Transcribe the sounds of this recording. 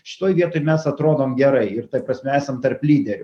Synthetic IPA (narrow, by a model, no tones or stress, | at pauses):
ʃʲɪ̥t̪oːjʋʲiɛt̪oːɪmʲɛsɐt̪ɾoːd̪oːmɡʲɛɾɐɪɪrt̪ɐɪpɾɐsʲmʲɛæːsɐmt̪ɐrplʲiːd̪ʲɛɾʲʊ